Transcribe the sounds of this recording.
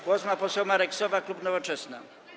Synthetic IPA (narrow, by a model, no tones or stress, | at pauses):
ɡwɔsmapɔsɛwmaɾɛksɔvaklupnɔvɔt͡ʂɛsna̰